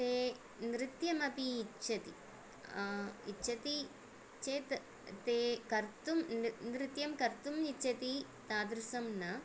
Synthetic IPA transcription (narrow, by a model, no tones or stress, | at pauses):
t̪eː | nɾɪt̪jɐmɐpiːt͡ʃːɐt̪i | iʃʰɐt̪i | t͡ʃeːt̪ | t̪eːkɐɾt̪umnɾɪt̪jɐmkɐɾt̪umit͡ʃʰɐt̪i | t̪aːd̪ɾusɐmnɐ